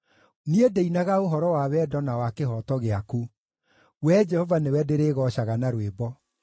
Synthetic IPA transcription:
niedeinaɣaoɦɔɾɔwawɛːdɔnawakeɦɔtɔɣeaku | wɛd͡ʒɛhɔvanewɛdeɾeɣɔɕaɣanaɾwebɔ

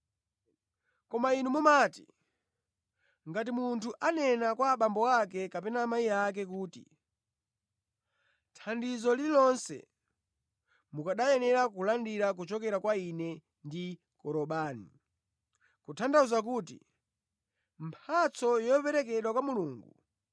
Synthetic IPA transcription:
kɔmainumumaːti | ŋɡat̬imuntʰuʔanɛnakwaːɓambɔwakɛkapɛnaːmajiak̬ɛkuːtḭ | tʰandizɔlilɔnsɛ̰ | mukaɗajɛnɛɾakulandiɾak̬ut͡ʃɔkɛɾakwainɛ | ndi | kɔɾɔɓaːni | kutʰandauzak̬uːtḭ | mpʰat͡sʰɔjɔpɛɾɛk̬ɛɗwakwamuluːŋɡu

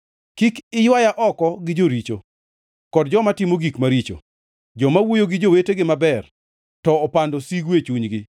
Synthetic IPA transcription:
kikɪjwajaʔɔkɔɡɪd͡ʒoɾit͡ʃo | kɔdd͡ʒɔmatɪmoɡikmaɾit͡ʃo̰ | d͡ʒɔmawojoɡɪd͡ʒoweteɡɪmabɛr | tɔːpandosiɡwet͡ʃuɲɡɪ

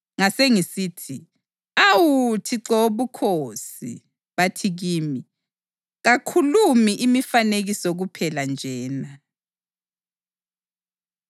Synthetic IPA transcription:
ŋaseŋisiːtʰi | awutʰiǁoβukʰosḭ | βatʰiɣiːmi | ɣakʰulumiʔimifaneɣisɔɣupʰɛland͡ʒʱɛːna

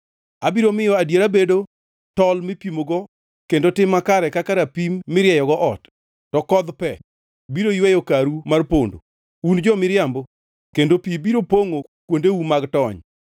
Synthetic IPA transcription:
abiɾomɪjɔadjeɾabedo | tɔlmɪpimoɡɔ | kendotɪmakaɾɛkakaɾapimːɪɾjɛjɔɡɔʔɔt | tɔkɔd̪pɛ | biɾoijwɛjokaɾumarpondo̰ | und͡ʒɔmɪɾɪjambo | kendopibiɾopoŋo | kwondeumaɡtɔɲ

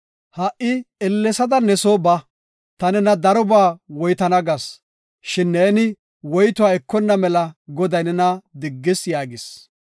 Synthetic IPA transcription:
hɐʔʔːɪɛlːɛsɐd̪ɐnɛsoːbɐ | t̪ɐnɛnɐd̪ɐɾɔbaːwɔjt̪ɐnɐɡɐs | ʃɪnːeːnɪ | wɔjt̪ʊaɛkːɔnːɐmɛlɐɡɔd̪ɐjnɛnɐd̪ɪɡːɪsjaːɡɪs

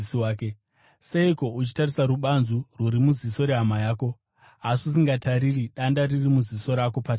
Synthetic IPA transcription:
siaːke | seiko̞ut͡ʃi̥tarisaɾuɓanzurwuɾimuziso̞ɾe̞ɦamajaːko̞ | ɦasus̬iŋɡataɾiriɗandaririmuziso̞ɾako̞pat͡ʃ

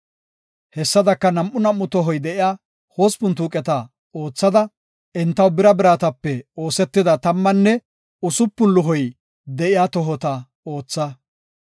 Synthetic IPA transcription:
hɛsːɐd̪ɐkːɐnɐmʔːʊnɐmːʊt̪ɔɦɔjd̪ɛʔɪjaː | ho̞ːspʊnt̪uːkʼɛt̪ɐ | oːt͡sːɐd̪ɐ | ʔɛnt̪ːɐwbɪɾɐbɪɾaːt̪ɐpːɛo̞ːsɛt̪ːɪd̪ɐt̪ɐmːɐnːɛ | ʊsʊpːʊnlʊɦɔj | d̪ɛʔɪjaːt̪ɔɦɔt̪ɐ | o̞ːt͡sːɐ

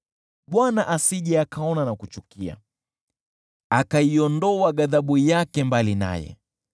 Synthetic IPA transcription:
ɓwanaʔasiʄɛakaɔnanakut͡ʃukia̰ | akaiɔndɔwaɠaðaɓujakɛmbalina̰jɛ̰

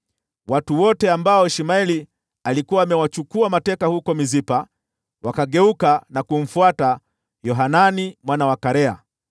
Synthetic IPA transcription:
watuwɔtɛambaɔɛʃimaɛli | alikuwaːmɛwat͡ʃukuamatɛkahukɔmizipa | wakaɠɛukanakum̩fuata | jɔɦananimwanawakaɾɛa̰

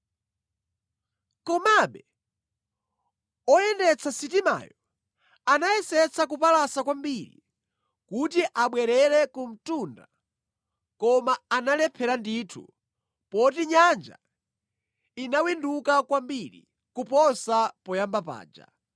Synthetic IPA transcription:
kɔmaɓɛ | ɔjɛndɛt͡sʰasitima̰jɔ | anajɛsɛt͡sʰakupalasakwambiɾḭ | kutiʔaɓwɛɾɛɾɛkum̩tunda | kɔmaːnalɛpʰɛɾanditʰṵ | pɔtiɲand͡ʒa̰ | inawindukakwambiɾḭ | kupɔsapɔjambapa̰ːd͡ʒa̰

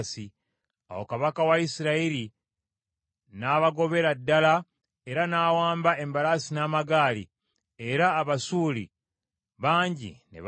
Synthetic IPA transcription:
si | a̰wokaβakawaisiɾaiɾi | naːβaɡo̞βe̞ɾadːala | eɾanaːwaːmbae̞mbalasinaːmaɡaːlḭ | eɾaːβasuːlḭ | βaːɲɟḭnḛβ

